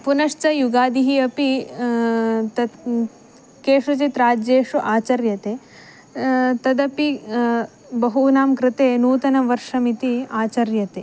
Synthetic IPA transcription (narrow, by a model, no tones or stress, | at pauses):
punɐʂt͡ʃɐjuɡaːd̪iɦiɐpi | t̪ɐ | keːʂɐt͡ʃit̪ɾaːd͡ʒeːʂuʔaːt͡ʃɐɾjɐt̪eː | t̪ɐd̪ɐpi | bɐɦunaːmkɾɪt̪eːnuːt̪ɐnɐʋɐɾʂɐmit̪iaːt͡ʃɐɾjɐt̪eː